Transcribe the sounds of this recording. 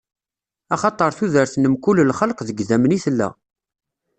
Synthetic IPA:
ɑχɑt̪ˤəɾˤθuðəɾθnəmkʊlːlχəlqðəɡðæmniθlːæ̰

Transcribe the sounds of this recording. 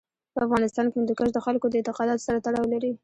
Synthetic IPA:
pəafɣɑnɪst̪ɑnkemnd̪ukaʃd̪əxalkod̪əɪnt̪ɪqɑd̪ɑt̪o̥saɾat̪aɽɑwlaɾi

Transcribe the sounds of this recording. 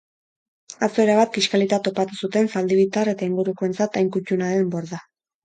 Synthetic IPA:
asoe̞ɾaβat̪̚ɡiʃkalit̪at̪o̞pat̪usut̪e̞nsald̪iβit̪are̞t̪aiŋɡuɾuko̞e̞nt͡sat̪ajŋkucunaɾe̞mbo̞ɾða

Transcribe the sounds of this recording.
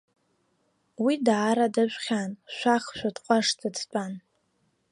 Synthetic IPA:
widaːɾadaʒʷχʲanʃʷaχʃʷᶣadqʷʼaʂdadt͡pʼan

